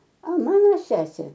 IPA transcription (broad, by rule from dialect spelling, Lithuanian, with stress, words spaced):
ɐ ˈmɑːnoː ˈsʲæːsʲeː